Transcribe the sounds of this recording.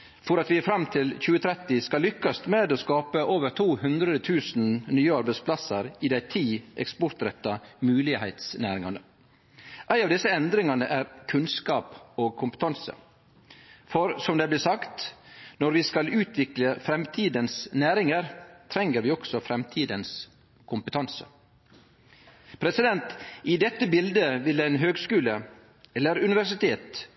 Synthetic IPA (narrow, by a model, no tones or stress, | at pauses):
fɔɾɑt̪ʋɪæfɾɑmt̪ʰɪlçʉːət̪ʰɾɛt̪ɪskɑlːʏkːɑst̪meːd̪oːskɑːpəʔoːʋəɾt̪ʰuːhʉnd̪ɾəd̪ət̪ʰʉːsn̩nyːəɑɾbæɪspʰlɑsəɾɪd̪æɪt̪ʰiːʔɛ̰kspɔɾt̪ɾɛt̪ːɑmʉːlɪhɛ̰ɪt̪snæ̰ːɾɪŋɑnə | ʔæɪɑʋd̪ɪsːəɛnd̪ɾɪŋɑnəʔæɾkʰʉnskɑːpoːɡ̚kʰʊmpə̥t̪ʰɑnsə̰ | fɔɾsɔmd̪ɛblɪːsɑkt̪nɔɾʋɪskɑlʉːt̪ʰʋɪkləfɾɛmt̪ʰiːd̪ənsnæːɾɪŋəɾt̪ʰɾɛŋːəɾʋɪːɔɡ̥sɔfɾɛmt̪ʰiːd̪əns | kʰʊmpət̪ʰɑnsə̰ | pʰɾɛsɪd̪ɛnt̪ɪd̪ɛt̪ːəbɪld̪əʋɪlæɪnɦøːɡskʉːlə | ɛlːəɾʉnɪʋæʂɪt̪ʰeːt̪